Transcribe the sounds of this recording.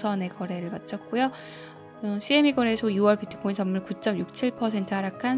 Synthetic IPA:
sʰʌne̞kʌɾe̞ɾɯɭmat̚t͡ɕ͈ʰʌk̚k͈ujo | ʌɕʰiemiɡʌɾe̞sʰoiwʌɭpitʰɯ̥k͈oinsʰʌmːuɭkut͡ɕ͈ʌmjuk̚t͡ɕʰiɭpʰʌsʰe̞ntʰɯɦaɾakʰan

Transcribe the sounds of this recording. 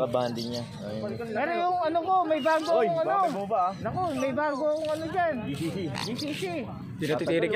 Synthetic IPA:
kɐband̪ɪŋɲa | ɛːɾojʊŋɐnoko̞mɐjbaːɡojŋɐnonɐkomɐjbaːɡoŋɐnod͡ʒanb̪isiːsi | t̪ɪnɐt̪ɪt̪iːɾɪ

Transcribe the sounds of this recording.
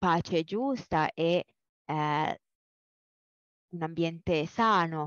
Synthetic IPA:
aːt͡ʃed͡ʒust̪aʔɛ | unambjɛnt̪esaːno

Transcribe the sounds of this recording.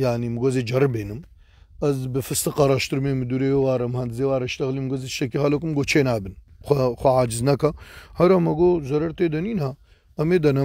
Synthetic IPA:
jaʕnimɨɡozed͡ʒɐɾbeːnɨm | ɐzbɨfɨst̪ɨqɐɾaʃt̪ɨɾmemɨd̪uɾewaːɾɐmhɐnd̪ɨzewaːɾɐʃt̪ɐɣlimɡozeʃɐkiɦɐlok̬umɡoːt͡ʃʰeːnaːbɨnxʷɐxʷɐʕaːd͡ʒɪznɐkɐhɐɾɐmɐɡozɐɾɐɾt̪ed̪ɐniːnha | ɐmeːd̪ɐnɐ

